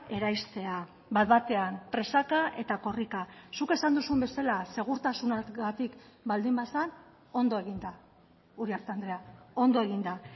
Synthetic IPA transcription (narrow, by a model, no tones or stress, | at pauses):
e̞ɾajst̪e̞a | bat̪βat̪e̞ampɾe̞sakaʔe̞t̪ako̞rikasuke̞sand̪usumbe̞salase̞ɣ̞uɾt̪asunaɡat̪ikbald̪imbasan | o̞nd̪o̞e̞ɣ̞ind̪a | uɾiaɾt̪and̪ɾe̞ao̞nd̪o̞e̞ɣ̞ind̪a